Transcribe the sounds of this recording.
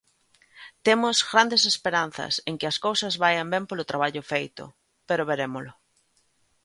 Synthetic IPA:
t̪emʊzɣɾand̪esespeɾan̟θɐ̰seŋkɪɐskowsɐzβajambempolʊt̪ɾaβ̞aʎʊfejt̪ʊ̰ | peɾʊβeɾemolʊ

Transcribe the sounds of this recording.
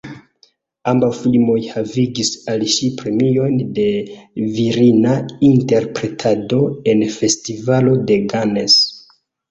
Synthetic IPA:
ambawfilmo̞jhaviɡisalʃipɾe̞mio̞jnde̞viɾinainte̞ɾpɾe̞tʰado̞e̞nfe̞stivalo̞de̞ɡane̞s

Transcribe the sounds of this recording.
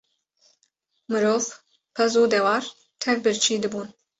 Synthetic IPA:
mɨɾoːv | pʰɛzuːd̪ɛwɑːɾ | t̪ʰɛvbɨɾt͡ʃʰiːd̪ɨbuːn

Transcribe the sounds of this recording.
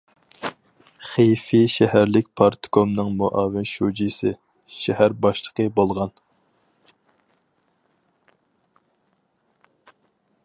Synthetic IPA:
χejfiʃɛhæɾlɪkʲpʰɑɾt̪kʰomnɨŋmuʔɑːwɪnʃud͡ʒisɪ | ʃɛhæɾbɑʃlˠəqəbolˠʁɑn

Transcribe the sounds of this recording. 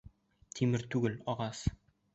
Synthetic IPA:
t̪ʰimɘɾt̪ʉɡɘlɒʁɑs

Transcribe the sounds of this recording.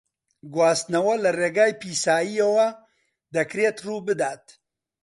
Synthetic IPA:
ɡwaːst̪nɐwɐlɐreːɡaːjpiːsaːjijɐwɐ | d̪ɐkɾeːt̪ruːbɨd̪aːt̪

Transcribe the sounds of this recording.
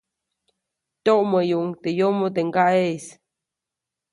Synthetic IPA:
t̪oʔməjuʔŋt̪ejomot̪eŋɡaʔes

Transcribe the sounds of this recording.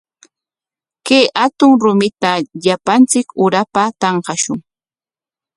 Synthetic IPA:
kejʔat̪ʊŋɾʊmɪt̪aʎapant͡sɪkʊɾapat̪ɑɴqɑʃʊŋ

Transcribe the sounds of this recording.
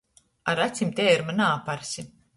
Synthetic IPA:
aɾat̪sʲimt̪ʲeːiɾmanaːpaɾsʲi

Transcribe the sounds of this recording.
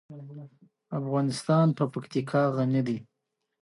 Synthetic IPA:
afɣɑnɪst̪ɑnpəpakt̪ikʰɑɣanid̪i

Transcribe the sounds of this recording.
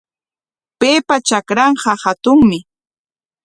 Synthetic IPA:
peːpat͡ʃakɾɑɴɢɑhat̪ʊŋmɪ

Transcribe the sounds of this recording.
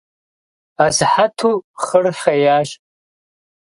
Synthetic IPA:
azħatʰuχərħajaːʒʼ

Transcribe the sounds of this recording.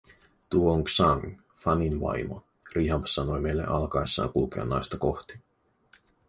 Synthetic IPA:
t̪uooŋksɑŋ | fɑninʋɑ̰jmo̰ | riɦɑbsɑno̞jme̞jlːḛʔɑlkɑjsːɑ̰ːŋkulk̟eɑ̰nːɑjst̪ɑko̞xt̪i̥

